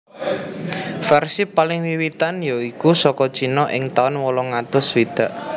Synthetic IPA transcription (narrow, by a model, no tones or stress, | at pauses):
fɛrsipalɪŋwiwit̪anjoikusɔkɔ̥t͡ʃinɔʔɪ̰ŋt̪aʊnwɔlɔŋat̪ʊswid̪̥a̤ʔ